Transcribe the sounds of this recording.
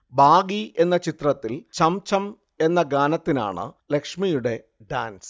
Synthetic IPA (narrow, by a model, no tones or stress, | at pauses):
bʱaːɡie̞nːɐt͡ɕit̪rɐt̪ːilt͡ɕɐmt͡ɕɐm | e̞nːɐɡaːnɐt̪ːina̰ːɳɨ̰le̞kʂmijuɽe̞ | ɖa̰ːnsɨ̥